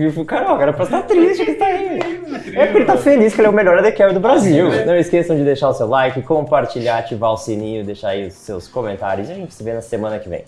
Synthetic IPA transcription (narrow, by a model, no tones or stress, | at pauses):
vifukaɾawkɛɾɐpɾɐst̪at̪ɾist͡ʃɪkɪt̪ai | ɛpʊɾkelɪt̪afelis̬pɾkelɛʊmeʎɔɾɐd̪ekɛwd̪ʊbɾaziwnɐ̃w̃iskesɐ̃w̃d͡ʒɪd̪eʃaɾʊsewlajkɪkõpaɾt͡ʃiʎaɾt͡ʃivaʊsinĩʊd̪eʃaɾaiʊsːewskõmẽnt̪a̰ɾjʊziaʒẽnt͡ʃɪ̥sɪvenɐsemɐ̃nɐkɪvḛ̃j̃